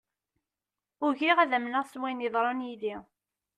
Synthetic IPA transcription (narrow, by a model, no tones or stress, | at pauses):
ʊʝiʁæðæmnəʁswæjniðˤɾˤɑnjiði